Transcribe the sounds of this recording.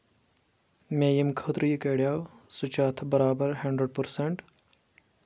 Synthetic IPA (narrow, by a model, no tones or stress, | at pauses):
meːjimkʰət̪ɾiːkeːɽjaːwsut͡ʃaːt̪ʰbɐɾaːbɐɾɦɐɳɖɾeɖ̚pəɾseɳʈ